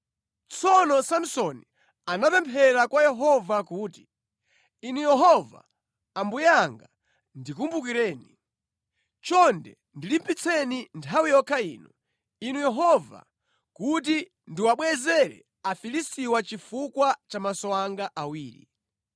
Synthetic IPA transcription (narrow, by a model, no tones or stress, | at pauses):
t͡sʰɔnɔsam̩sɔni | anapɛmpʰɛɾakwajɛɦɔvakuːti̥ | inujɛɦɔva̰ː | mbujaŋɡa | ndikumbukiɾɛːni | t͡ʃɔndɛ̰ | ndilimpit͡sʰɛnintʰawijɔkʰaḭːnu | inujɛɦɔva̰ | kut̬i | ndiwaɓwɛzɛɾɛ̰ | afilistiwat͡ʃifukwat͡ʃamasɔaŋɡaʔawiːɾḭ